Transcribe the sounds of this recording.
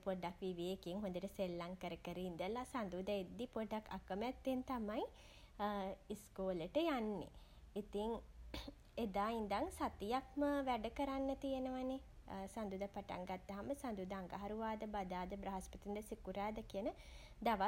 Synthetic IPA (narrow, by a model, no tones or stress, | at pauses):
poɖakʋiʋijekeŋɦõnd̪əʈəselːaŋkəɾəkəɾind̪əlasand̪ud̪əed̪ːipoɖakʰa̰kəmɛt̪ːent̪amaj | iskoːləʈəjanːḛ | it̪iŋ | ed̪aːind̪aŋsat̪ijak̚məʋæɖəkəɾanːət̪ijenəʋanesand̪uːd̪apaʈa̰ŋɡat̪ːɐɦaməsand̪uːd̪əaŋɡaɦaɾuʋaːd̪əbad̪aːd̪əbɾaɦaspət̪ind̪əsikuɾaːd̪əkijənə | d̪aʋa